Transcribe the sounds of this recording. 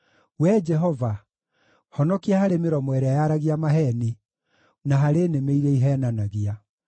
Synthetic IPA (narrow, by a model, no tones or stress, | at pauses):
wɛd͡ʒɛɦɔva | hɔnɔkiahaɾemeɾɔmwɛɾɛajaɾaɣiamaɦɛni | naɦaɾenemeiɾeiɦɛːnanaɣia